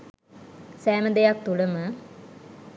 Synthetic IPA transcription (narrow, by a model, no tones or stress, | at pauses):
sæːməd̪ejak̚t̪uləmə